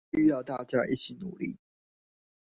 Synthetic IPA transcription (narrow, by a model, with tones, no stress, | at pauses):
y˥˧jɑ˥˧ʊt̪a˥˧t͡ɕja˥˧ʔḭ˥˩t͡ɕʰi˨˥nu˨˩˦lḭ˥˩